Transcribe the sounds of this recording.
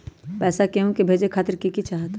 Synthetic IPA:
pɛːsakeɦũkebʱeːd͡ʒekʰaːt̪ɪɾkikit͡ʃaːɦt̪

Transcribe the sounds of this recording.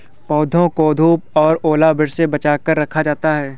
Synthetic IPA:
pɔːd̪ʱõkoːd̪ʱuːp̚ɔːɾoːlabɪɽsebɐt͡ʃaːkəɾːɐkʰad͡ʒaːt̪aɦɛː

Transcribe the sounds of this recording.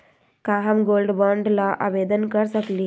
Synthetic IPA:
kaːɦɐmɡoːlɖbaːɳɖlaʔa̰ːʋeːd̪ənkəɾsəkli

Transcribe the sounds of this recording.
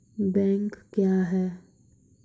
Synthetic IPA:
bɛ̃ːŋkkjaːɦɛː

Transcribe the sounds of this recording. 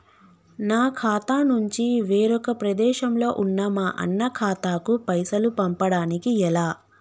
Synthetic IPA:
naːkʰaːt̪aːnuɲt͡ʃiʋeːɾɔkɐpɾɐd̪ɛːʃɐmlo̞ːʔunːamɐʔɐ̰nːɐkʰaːt̪aːkupɐjsɐlupɐmpɐɽaːnikiɛlaː

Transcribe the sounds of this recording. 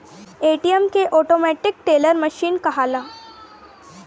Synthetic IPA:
eʈiemkeʔɔʈomɛʈik̚ʈeləɾməɕiːnkəɦala

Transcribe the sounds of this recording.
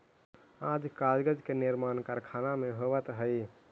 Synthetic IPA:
ãd͡ʒkad͡ʒɡəd͡ʒkeniɾmankaɾkʰanameɦoβət̪ɦəj

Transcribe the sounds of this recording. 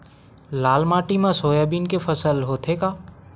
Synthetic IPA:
laːlmaːʈimãsoːjabinkepʰəsəlɦoːt̪ʰekaː

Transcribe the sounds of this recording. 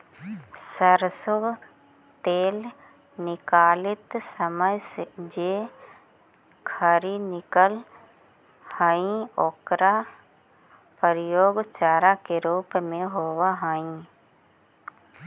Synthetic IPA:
səɾsʊɡ | t̪eːl | nɪkaːlɪt̪səməjsed͡ʒeː | kʰəɾinɪkəl | haːĩoːkɾa | pəɾɪjoːɡt͡ʃaːɾakeɾuːpmẽɦoːwaɦaːĩ

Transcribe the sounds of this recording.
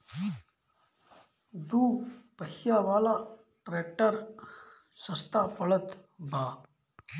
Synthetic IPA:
d̪uːpəɦijaʋaːla | ʈɾeːk̚ʈəɾ | sɐst̪apɐɭət̪bʱaː

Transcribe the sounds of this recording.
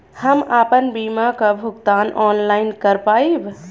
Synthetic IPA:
həmapənbimakəbʱuɡt̪anʔɔnlajnkəɾpajb

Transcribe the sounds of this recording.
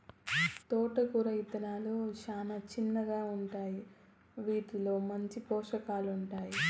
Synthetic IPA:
t̪ɔːʈɐkuɾɐjit̪ɐnaːloːʃaːnɐt͡ʃinːɐɡaːuɳʈaːji | ʋiːʈilo̞ːmɐɲt͡ʃipɔːʂɐkaːluɳʈaːji

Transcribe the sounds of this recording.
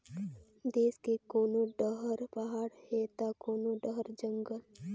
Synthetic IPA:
d̪eːskekoːnoɖəɦəɾpɐɦaːɽhet̪akoːnoɖəɦəɾd͡ʒəŋɡəl

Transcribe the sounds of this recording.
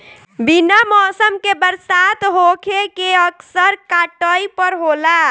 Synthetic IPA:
binamɔsəmkebəɾsat̪ɦokʰekeəksəɾkaʈəjpəɾɦola

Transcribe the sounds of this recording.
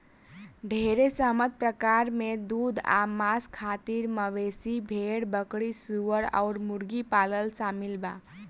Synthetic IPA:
ɖʱeɾesəɦmət̪̚pɾəkaɾmed̪ud̪ʱa̰maskʰat̪iɾməʋesibʱeɽbəkɽisuəɾa̰ʊɾmuɾɡipaləlsamilba

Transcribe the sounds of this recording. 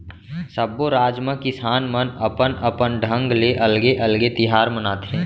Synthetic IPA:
səboɾaːd͡ʒmə̃kɪsaːnmənəpənʔəpənɖʱə̃ŋɡleʔɐlɡeʔɐlɡet̪ɪɦaːɾmənaːt̪ɦɛ̃ː

